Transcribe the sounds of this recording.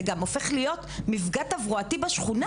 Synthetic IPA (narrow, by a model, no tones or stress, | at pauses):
ɡamofeχlijo̞t̪mifɡat̪avʁuatibaʃχuna